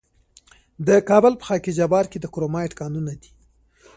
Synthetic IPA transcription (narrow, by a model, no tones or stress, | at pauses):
d̪əkɑbəlpə̥xɑked͡ʒabɑɾked̪əkɾomɑɪʈkɑnunad̪i̥